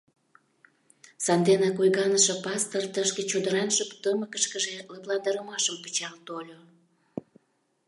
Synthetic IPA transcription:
sɑnd̪enɑkojɣɑnəʃŏpɑst̪ərt̪əʃket͡ɕod̪əɾɑnʃəpt̪əməkəʃkəʒeləplɑnd̪əɾəmɑʃəmpət͡ɕɑlt̪olʲo

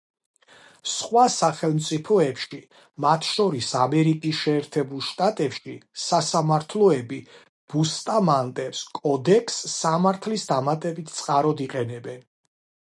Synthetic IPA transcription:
sχwasaχɛlˠmt̪sʼipʰɔɛpʃi | mat̪ʰʃɔɾisamɛɾikʼisʃɛːɾt̪ʰɛbulˠʃt̪ʼat̪ʼɛpʃisasamaɾt̪ʰlˠɔɛbi | b̥ust̪ʼamant̪ʼɛpskʼɔd̪ɛkʰsːamaɾt̪ʰlisd̪amat̪ʼɛbit̪ʰt̪sʼqʼaɾɔd̪iqʼɛnɛbɛn

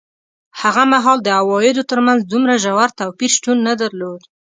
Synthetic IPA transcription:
haɣamaɦɑld̪əawɑjɪd̪ot̪əɾmanzd̪umɾaʒawaɾt̪awpiɾʃtunːad̪aɾlod̪

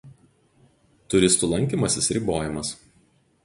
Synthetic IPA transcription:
t̪ʊɾʲɪst̪ʊlˠɐŋʲkʲiːˑmɐsʲɪsɾʲɪboːjɪmɐs

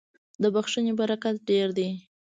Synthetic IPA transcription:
d̪əbaxʃənebaɾakat̪̚ɖeɾd̪e

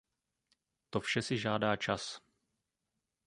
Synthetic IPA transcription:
t̪o̞fʃɛsɪʒaːdaːt͡ʃas

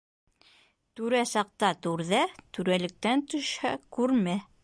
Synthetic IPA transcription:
t̪ʉɾæsɑq̚t̪ɑt̪ʉɾðæt̪ʉɾælɘ̆k̚t̪ænt̪ɵ̆ʃhæ̰kʉɾmæ

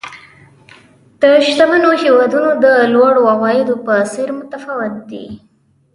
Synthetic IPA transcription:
d̪̥əʃt̪amanohewɑd̪unod̪əlwɑɽoawɑjɪd̪opəsɪɾmʊt̪afawɪt̪̚d̪ḭ

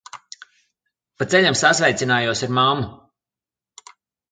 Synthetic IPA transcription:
pat̪seʎʲamsasvɛjt̪sʲinaːjuɔsiɾmamːu

